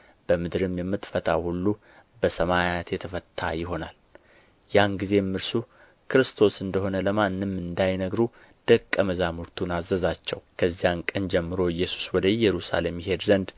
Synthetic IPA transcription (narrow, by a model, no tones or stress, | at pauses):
b̥əmɨd̪ɾɨmjɛmːɨt̪fət̪ʼawhulːu | bəsəmajat̪jɛt̪ʰəfət̪ʰʼːa̰jɪɦo̞nal | janɡize̞mːɨɾsu | kʰɨɾɨst̪ʰo̞sɨnd̪əho̞nələmanːɨmːɨnd̪ajnəɡɾu | d̪̥əkʼːəməzamuɾt̪ʰunazəzat͡ʃːɛ̰wkʰəzːijankʼənd͡ʒɛmːɨɾo̞ɨjːɛsu̥swɔd̪əjɛɾusa̰lemɪɦe̞d̪zənd̪